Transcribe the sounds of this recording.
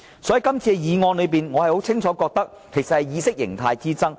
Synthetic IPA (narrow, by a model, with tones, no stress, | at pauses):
sɔː˨˥ji˨kɐ˥mt͡sʰiː˧ɛ˧jiː˨˧ŋɔː˧nlɵ˨˧ɥp̬iː˨nŋɔː˨˧hɐ˨jho˨˥wt͡sʰɪ˥ŋt͡sʰɔː˨˥kɔː˧k̚t̪ɐ˥k | kʰe˨˩jsɐ˨thɐ˨jiː˨˧sɪ˥k̚jɪ̰˨˩ŋt̪ʰaː˧jt͡siː˥t͡sɐ˥ŋ